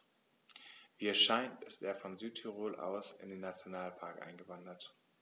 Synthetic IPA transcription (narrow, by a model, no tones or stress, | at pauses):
viːɛʃaɪntɪsteːɐfɔnzyːtʰyʁoːlʔa̰ʊsɪ̰ndeːnːat͡sjonaːlpʰaɐkʔa̰ɪnɡəvandɐt